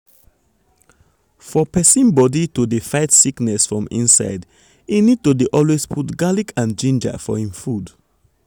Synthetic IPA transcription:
fɔpɛsĩnbɔditudefaɪtsiknɛsfɹɔ̃mḭ̃nsa̰ɪd | inid̚todeʔɔlwespʰutɡalikʰãnd͡ʒĩnd͡ʒə̰fɔ̰hĩmfud

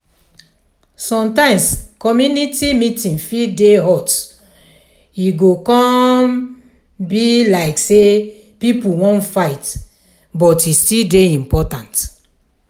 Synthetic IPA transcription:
sɔ̃mtãɪ̃mskɔmjunitimitĩnfideɦɔt | iɡokɔ̃m | bilaɪkse | pipuwɔ̃ntfaɪt | bɔtistildeĩmpɔtãnt

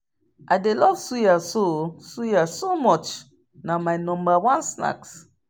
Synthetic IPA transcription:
ʔajdelɔv̥sujasosujasomɔt͡ʃ | namajnɔ̃mbawãnsna̰ks

